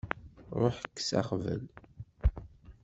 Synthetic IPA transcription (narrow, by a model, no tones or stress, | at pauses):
ɾˤoħəkːsa̰χvə̰l